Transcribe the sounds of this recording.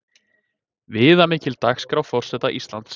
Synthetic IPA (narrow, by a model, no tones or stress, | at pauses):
vɪːðamɪːcɪlt̪axskɾawfɔr̥sɛːt̪aʔist̪lant̪s